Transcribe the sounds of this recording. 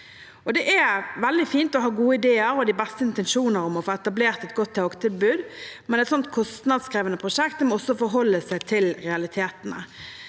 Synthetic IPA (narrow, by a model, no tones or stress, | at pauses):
ɔd̪ɛʔæʋɛld̪ɪfiːnt̪ɔɦɑːɡuːəɪd̪eːəɾɔd̪ɪbɛst̪əɪnt̪ɛnʃuːnəɾɔmɔfoːɛt̪ɑbleːʁt̪ɛt̪ɡɔt̪ʰːoɡt̪ʰɪlbʉːd̪mɛnɛt̪sɔnt̪̚kʰɔst̪nɑd̪skɾiːʋənəpʰʁʊʂɛk̚t̪d̪ɛmɔɔsːɔfɔɾɦɔlːəsæɪt̪ʰɪlɾɛɑlɪt̪ʰeːt̪ənə̰